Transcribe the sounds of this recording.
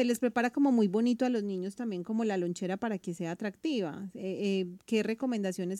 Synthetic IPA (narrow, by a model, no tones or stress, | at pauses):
sele̞spɾe̞paɾako̞mo̞mujbo̞nit̪oalo̞zniɲo̞st̪ambje̞ŋko̞mo̞lalo̞nt͡ʃe̞ɾapaɾakese̞aːt̪ɾak̚t̪iβa̰eke̞re̞ko̞mẽnd̪asjo̞ne̞s